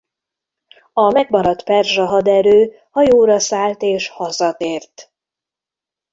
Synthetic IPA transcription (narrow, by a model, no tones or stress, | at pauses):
ɒmɛɡ̚mɒɾɒt̪pɛrʒɒɦɒd̪ɛɾøː | hɒjoːɾɒsaːlt̪eːʃhɒzɒt̪eːrt̪